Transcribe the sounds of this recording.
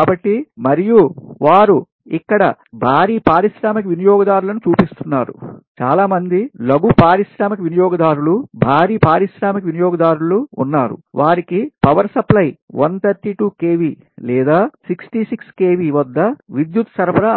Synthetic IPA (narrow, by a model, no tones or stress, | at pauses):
aːbɐʈːimɐɾijuʋaːɾu | ikːɐɽɐ̰ | bʱaːɾiːpaːɾiʃɾaːmɐkɐʋinijɔːɡɐd̪aːɾulɐnut͡ʃuːpist̪unːaːɾṵt͡ʃa̰ːlaːmɐnd̪ilɐɡupaːɾiʃɾaːmɐkɐʋinijɔːɡɐd̪aːɾulubʱaːɾiːpaːɾiʃɾaːmɐkɐʋinijɔːɡɐd̪aːɾulṵːnːaːɾṵʋaːɾikipɐʋɐɾsɐplɐjʋɐnt̪ʰɐɾʈiːʈuːkeːʋiː | lɛːd̪aːsiksʈisikskeːʋiʋɐd̪ːɐʋid̪jut̪sɐɾpɐɾɐ